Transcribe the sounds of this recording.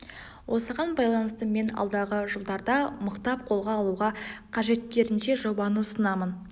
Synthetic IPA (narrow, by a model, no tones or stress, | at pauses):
wʔo̞səʁɑnbɑjlˠɑnəst̪əme̞nɑ̰lˠd̪ɑʁəʒəlˠd̪ɑɾd̪ɑməqt̪ɑp̚qʰo̞lˠʁɑːlˠuʁɑqʰɑʒe̞t̪ːʲe̞ɾɪnʃe̞ʒobɑnəʊsənɑmən